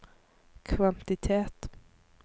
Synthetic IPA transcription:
kʰvant̪ɪt̪ʰeːt̪

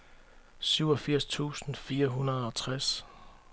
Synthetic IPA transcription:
syʊɒ̽fiɐ̰st͡sʰṵːsn̩fiːɐɦunɐð̞̩ˠɒ̽t͡sʰʁas

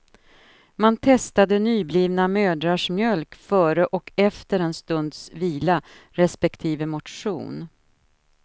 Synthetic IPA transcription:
mant̪ʰɛst̪ad̪ənyːbliːvnamøːd̪ɾaʂmjœlkfœːɾəʔɔkʰɛft̪əɾɛnst̪ɵnd̪sviːla | ɾɛspɛkt̪ʰiːvəmʊʈʂṵːn

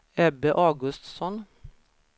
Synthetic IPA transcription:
ɛbeːʔɑːɡʉst̪sɔn

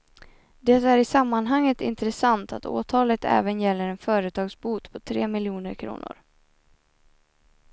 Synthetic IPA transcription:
d̪ɛt̪æɾɪsamːanɦaŋːət̪ɪ̰nt̪ɾɛsant̪a̰t̪ʰo̰ːt̪ʰɑːlət̪ɛ̰ːvənjɛlːəɾɛnfœːɾət̪ʰɑːɡsbuːt̪pʰɔt̪ʰɾḛːmɪljuːnəɾkʰɾṵːnʊ̰ɾ

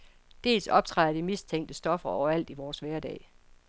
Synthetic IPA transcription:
d̥e̝̰ːlsɒ̽b̥̚t͡sʰʁɑ̈ɪ̰ɐd̥imist͡sʰeŋ̰d̥əsd̥ɒ̽fɐɒʊɐæl̰d̥iʋɒːsʋæɐd̥ɛ̰ː

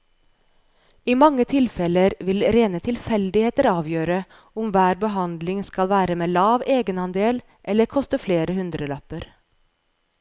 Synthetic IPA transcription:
iːmɑŋət̪ʰɪlfɛləɾʋɪlɾeːnət̪ʰɪlfɛld̪ɪheːt̪əɾɑːʋjøːɾə | ʊmʋæːɾbəɦɑnd̪lɪŋskɑlʋæːɾəmeːlɑːʋeːɡənɑnd̪eːl | ʔɛləɾkʰɔst̪əfleːɾəhʉnd̪ɾəlɑpəɾ

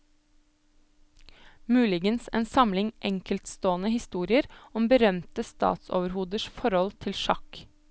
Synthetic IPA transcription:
mʉːlɪɡənsḛːnsɑmlɪŋʔɛŋkəlt̪st̪oːnəhɪst̪uːɾɪəɾɔmbəɾœmt̪əst̪ɑ̰ːt̪so̰ːʋəɾhuːd̪əʃfɔɾɔlt̪ʰɪlʃɑk

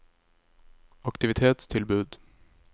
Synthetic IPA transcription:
akt̪ɪvɪt̪ʰeːt̪st̪ʰɪlbʉ̟ːd̪

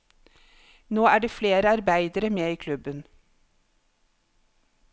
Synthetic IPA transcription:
noːæːɖeːfleːɾəɑɾbæɪd̪əɾəmeːiːkʰlʉbən

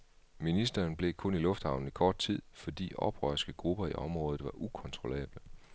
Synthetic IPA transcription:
minisd̥ɐːnb̥le̝kʰɔ̽nilɔ̽fd̥hɑ̈ʊn̩ikʰɒːd̥̚t͡sʰið̰ˠfɒ̽d̥ḭːɒ̽b̥ʁœ̰ːɐsɡ̥əɡ̥ʁub̥ɐiʔɒ̽mʁɔ̽ːð̩ˠʋɑ̈ʔukʰɒ̽nt͡sʰʁo̝lɛ̰ːb̥lə

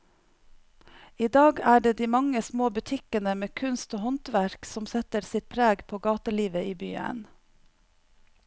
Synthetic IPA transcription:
iːd̪ɑːɡæːɖeːd̪iːmɑŋəsmoːbʉt̪ʰɪkənəmeːkʰʉnst̪oːhɔnt̪ʋæɾksɔmsɛt̪əɾsɪt̪̚pʰɾeːɡpʰoːɡɑːt̪əliːʋəiːby̰ːə̰n

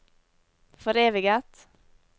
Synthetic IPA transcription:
fɔɾeːʋɪɡət̪

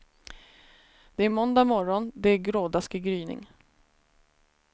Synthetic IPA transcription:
d̪̥ɛæɾmɔnd̪amɔɾɔnd̪ɛæɾɡɾoːd̪askɪɡɾyːnɪ̰ŋ

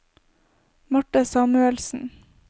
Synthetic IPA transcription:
mɑʈəsɑːmʉɛlsn̩

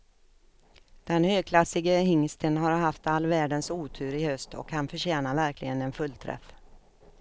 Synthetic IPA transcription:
d̪̥ɛnhøːɡ̚kʰlasɪɡəhɪŋst̪ənɦaɾɦaft̪alːvæːɖənsuːt̪ʰʉ̟ːɾɪhœst̪ʰɔ̰khanfœɕɛːnavæɾklɪɡənɛnfɵlːt̪ʰɾɛ̰f

